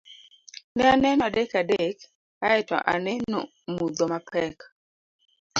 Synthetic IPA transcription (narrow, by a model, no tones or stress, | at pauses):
nɛanɛnɔadekadek | aɛtɔ̰ʔa̰nɛnɔ̰ | mud̪omapɛk